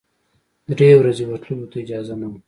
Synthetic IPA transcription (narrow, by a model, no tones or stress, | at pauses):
d̪ɾewɾazewat̪lulot̪aid͡ʒɑzanawu